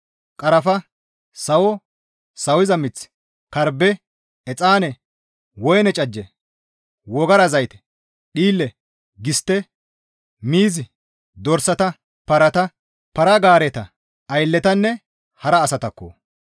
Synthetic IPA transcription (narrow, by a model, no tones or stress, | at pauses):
kʼɐɾɐfɐ | sɐwɔ | sɐwɪzɐmɪt͡s | kɐɾbɛː | t͡sʼaːnɛ | wɔjnɛt͡ʃʼɐd͡ʒːɛ | wɔɡɐɾɐzɐjt̪ɛ̥ | ɗiːlːɛ | ɡɪst̪ːɛ | miːzɪ | d̪ɔɾsɐt̪ɐ | pɐɾɐt̪ɐ | pɐɾɐɡaːɾet̪ɐ | ɐjlːɛt̪ɐnːɛ | hɐɾɐːsɐt̪ɐkːo̰ː